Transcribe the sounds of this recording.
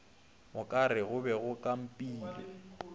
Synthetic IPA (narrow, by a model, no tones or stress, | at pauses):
mʊkʼaɾɪɣʊbɛɣʊkʼam̩pʼiːlḭ